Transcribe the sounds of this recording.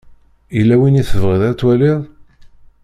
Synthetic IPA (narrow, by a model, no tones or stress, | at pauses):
ilːæwiniθəvʁəðæt͡sːwæliðˤ